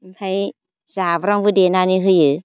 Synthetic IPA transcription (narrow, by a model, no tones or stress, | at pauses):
m̩pʰaj | zabɾaŋbɯdenaniɦɯjɯ